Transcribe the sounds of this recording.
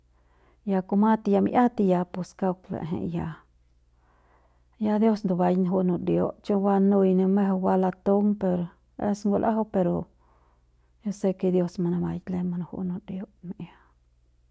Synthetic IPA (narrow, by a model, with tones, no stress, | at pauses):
ja˧ko˧ma˦t̪i˧ja˧mjʔa˦t̪i˧ja˧pe˨ska˦wklḛ˨ɦḛ˨ja˨ | ja˦d̪jo˦snd̪o˨ba˨jnɦu˦no˧ɾjo˧t͡ʃe˦wa˦nu˧jne˧me˦ɦe˧wa˦la˧t̪o˦ŋpe˧ɾ | ḛ˦sŋɡo˧lʔa̰˦ɦa˦pe˧ɾo˨ | jo˦se˧ke˧d̪jo˧sma˧na˧ba˧jle˧ma˧n˧hṵ˦no˧ɾjo˦m˨a˦